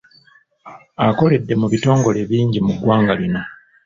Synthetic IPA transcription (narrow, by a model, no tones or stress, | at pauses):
ako̞le̞dːe̞muβito̞ːŋɡo̞le̞βiːɲɟimuɡwaːŋɡalino̞